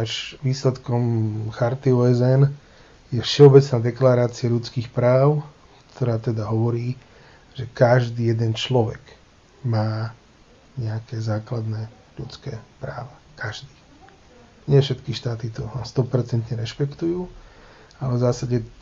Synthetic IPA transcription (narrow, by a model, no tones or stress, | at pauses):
aʒʋiːslɛt̪kɔmxaɾt̪iɔːɛzɛn | jɛfʃɛɔbɛt͡snaːd̪ɛklaɾaːt͡siaʎut͡skiːxpɾaːʊ | kt̪ʰɔɾaːt̪ɛd̪aɦɔʋɔɾiː | ʒ̥ɛkaʒd̪iːjɛd̪ɛnt͡ʃlɔʋɛ̰ɡ | maː | ɲɛakɛzaːklad̪nɛː | ʎut͡skɛːpɾa̰ːʋakaʒd̪iː | ɲɪɛfʃɛt̪kiʃt̪aːt̪it̪ɔanst̪ɔpɛɾt͡sɛnt̪ɲɛɾɛʃpɛkt̪ujuː | alɛvzaːsaɟɛ